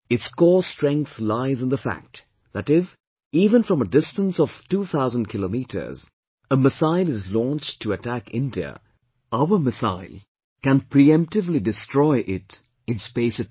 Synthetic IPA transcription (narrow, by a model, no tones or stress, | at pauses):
ɨtskɔstɹ̥ɛ̃ŋk̚θlaɪzɨ̃nðəfæ̰k̚t | ðætɪf | iːvə̃nfɹʌ̃mədɪstə̃nsɔv̥tuːθaʊzə̃n̚kʰɪlomitʰə̰˞z | əməsaɪlɨzlɔ̃nt͡ʃtʰːɨətʰækɪ̰̃ndiə̰ | aʊə˞mɨsa̰ɪlˠ | kæ̃npʰɹiɛ̃mp̚tɨvlidɨstɹ̥ɔɪʔɪt | ɨ̃nspeɪsɨ